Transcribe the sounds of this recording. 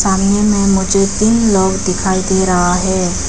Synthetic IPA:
saːnijẽmẽmʊd͡ʒʱet̪iːnlɔːɡɖɪkʰaːid̪iɾɐɦaɦɛː

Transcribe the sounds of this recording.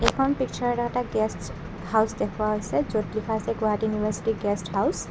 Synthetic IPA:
ɛkʰɔnpikt͡ʃʰɔɹɔtɔɛtaɡɛsʈ | hawsd̪ekʰuwaɦojsɛzotlikʰasɛɡuatjunibʱaɹsi̥tiɡɛsʈhaws

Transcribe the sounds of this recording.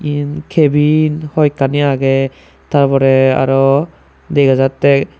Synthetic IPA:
inkʰebinhɔjkaniaɡɛ | taɹbɔɾɛa̰ɹɔ | deɡazatːɛ

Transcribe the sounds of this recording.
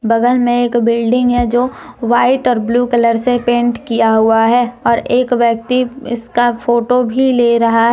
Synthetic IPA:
bɐɡəlmẽeːkbɪlɖɪ̃ŋɡɦɛd͡ʒoːʋaːɪʈɔːɾbluːkɐləɾsepẽːɳʈkijaɦuaɦɛːɔːɾeːkʋjək̚t̪iɪskafʰoːʈobʱileːɾɐɦaɦɛ

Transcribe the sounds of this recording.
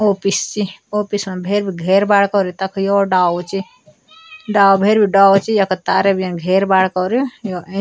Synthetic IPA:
opist͡ʃiopismẽbʱeɾbʱiɡʱeɾbaɽkɔɾit̪ɐkʰjoɖaot͡ʃi | ɖawbʱeɾbʱiɖaot͡ʃijɐkət̪aːɾebʱijenɡʱeɾbaɽkɔɾijoe

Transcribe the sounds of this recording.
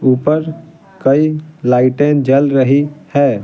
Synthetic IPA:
upəɾ | kəilaɪʈend͡ʒəlɾəɦihɛ

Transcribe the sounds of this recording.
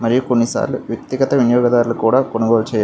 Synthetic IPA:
mɐɾijukuɳisa̰ːlʋjet̪ːiɣɐt̪ɐʋiɳjoːɡɐðaːɾilkuːɽɐkoɳuɡoːlt͡ɕeja

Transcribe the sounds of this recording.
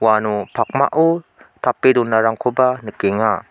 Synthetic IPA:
wanupʰak̚ma̰ʔutʰapedunːaɾaŋkʰubanɯkeŋa

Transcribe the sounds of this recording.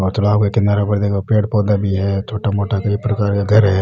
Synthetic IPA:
ɔːɾt̪ʊlaːbkekɪnaɾabɐɽd̪ekopeːɽ̚pɔːd̪abʱiɦɛt͡ʃ̪ʰoːʈamoːʈakɐipɾɐkaːɾkaɡʱɐɾɦɛ

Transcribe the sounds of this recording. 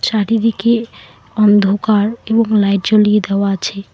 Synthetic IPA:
t͡ʃaɾid̪ike | ɔnd̪ʱokaɾebɔŋlajʈ̚d͡ʒolied̪ewat͡ʃʰe

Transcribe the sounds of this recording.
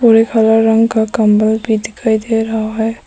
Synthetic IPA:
puɾekʰalaɾə̃ŋɡkakəmbəlbʱid̪ɪkʰaid̪eɾaɦaɦɛː

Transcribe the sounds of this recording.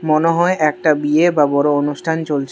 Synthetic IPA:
moneɦɔeʔɛk̚ʈabiebabɔɾoonuʃʈʰant͡ɕolt͡ɕʰ

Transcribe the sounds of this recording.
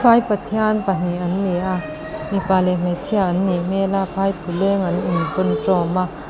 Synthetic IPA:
pʰajpɐt̪ʰiɐnpɐn̥iʔɐnlɛʔa | mipaːlɛm̥ɛt͡sʰiaʔɐnːimɛlapʰajpʰulɛŋɐninvɔnt͡sɔma

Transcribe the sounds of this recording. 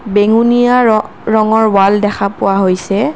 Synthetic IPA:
beŋunija | ɹɔŋɔɹwaldɛxʰapʊwaɦojsɛ

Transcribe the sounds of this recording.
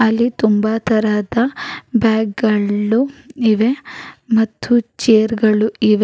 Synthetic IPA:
ɐlːit̪umbat̪ʰɐɾaːd̪ɐbaːɡɡɐuiʋemɐt̪ːut͡ʃeːɾɡɐɭuiʋe

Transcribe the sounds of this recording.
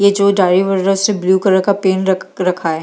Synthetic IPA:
jed͡ʒoːɖaːɾiʋəɾɾəsebljuːkəɾəɾkapeːnɐɾɐkʰaɛ

